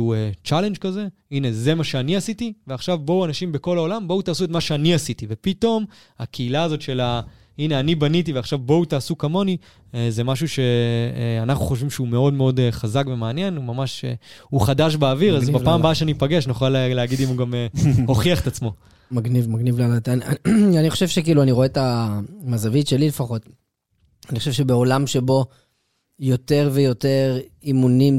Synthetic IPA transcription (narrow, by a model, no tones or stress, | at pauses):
uet͡ʃale̞nd͡ʒkaze̞ine̞ze̞maʃeaniasit̪iveaχʃavbo̞wanaʃimbeko̞lao̞lambout̪aːsuet̪maʃeaniasitive̞pit̪o̞m | a̰kʰeilaːzo̞tʃe̞la | ine̞anibanit̪iveaχʃavboutaːsukamo̞ni | ezemaʃuʃe̞anaχnuχoʃ̬vimʃeume̞o̞dmeo̞d̪eχazakve̞meanje̞numamaʃḛuχad̪aʃ̬beːviʁazbapaːmbaaʃanipaɡe̞ʃniχaleleaɡid̪imuɡameho̞χiaχet̪at͡smo̞ | maɡnivmaɡnivlanat̪anaaniχoʃevʃek̬iːluaniʁoetamazavitʃe̞lile̞faχo̞t̪ | aniχoʃevʃebe̞o̞lamʃe̞bo̞ | jo̞t̪e̞ʁve̞jo̞te̞ʁimunim